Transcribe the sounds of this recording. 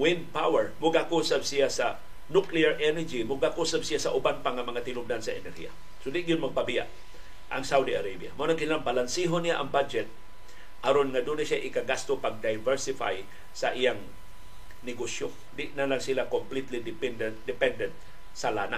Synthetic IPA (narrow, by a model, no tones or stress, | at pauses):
wɪnpawɛɹmʊɡakuːsabsijasa | nʊkliaɹʔɛnɛɹd͡ʒimʊɡakuːsab̚sɪjasaʔʊbanpaŋamɐŋat̪ɪnʊb̚d̪ansaʔɛ̰nɛɾhḭa̰ | sod̪ɪʔɡɪjʊnmaɡ̚pabɪja̰ʔ | ʔɐ̰ŋsawd̪ia̰ɾabja̰mʊʔanaŋkɪnilaŋbalansiɦonɪjaʔɐŋbad͡ʒɛt̪̚ | ʔaɾonŋad̪unaʃjaʔɪkaɡast̪opaɡ̚d̪ajvɛɹsɪfa̰j | saʔɪjaŋ | nɪɡosjo | d̪ɪʔnalaŋsilakomplit̪lid̪ɪpɛnd̪ɛnd̪ɪpɛnd̪ɛnt̪̚ | sala̰ːna̰